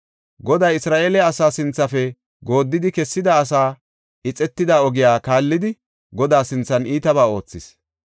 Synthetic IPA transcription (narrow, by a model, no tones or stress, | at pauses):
ɡɔd̪ɐjɪsɾaːʔeːlɛɐsaːsɪnt͡sːɐfɛ | ɡo̞ːd̪ːɪd̪ɪkɛsːɪd̪ɐːs̬aː | ʔɪt͡sʼɛt̪ːɪd̪aːɔɡɪjaːkaːlːɪd̪ɪ | ɡɔd̪aːsɪnt͡sːɐniːt̪ɐβaːo̞ːt͡sːɪs